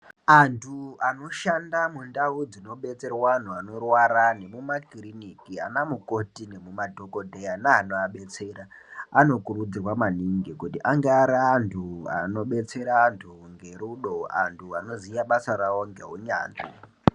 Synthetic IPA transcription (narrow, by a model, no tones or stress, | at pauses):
antʰuano̞ʃandamundaud͡zino̞ɓe̞t͡se̞rwaan̤uano̞rwaɾane̞mumakirinikia̰namuko̞tine̞mumadʱo̞ko̞dʱeanaːn̤oaɓe̞t͡se̞ɾaano̞kurud͡zirwamaniŋɡikutiʔaŋɡeaɾaːntʰua̰no̞ɓe̞t͡se̞ɾaːntʰuŋɡe̞ɾuɗo̞a̰ntʰuano̞zijaɓasaɾawo̞ŋɡe̞̰ɦuɲa̰ːnḭ